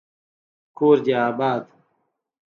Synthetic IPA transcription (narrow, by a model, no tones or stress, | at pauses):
koːɾd͡ʑaaːbaːd̪